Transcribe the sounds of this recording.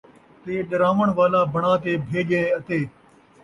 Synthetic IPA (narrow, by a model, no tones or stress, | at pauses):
t̪eːɗəɾãːʋəɳʋaːlaːbəɳãːt̪eːbʱeːɠẽːət̪eː